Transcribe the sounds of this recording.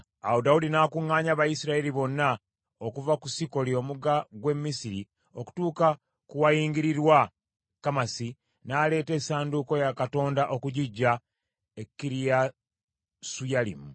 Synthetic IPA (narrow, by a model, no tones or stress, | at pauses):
audaudinaːkuŋːaːɲaβajisiɾaeliβo̞nːa | okuvakusiko̞lio̞muɡaɡwe̞mːisiɾi | o̞ku̥tuːka | kuwajiːŋɡiɾiɾwa | kamasi | naːle̞ːte̞ːsaːnduko̞jakato̞ːndaʔo̞kuɟiɟːa | ekːiɾija | sujalḭmu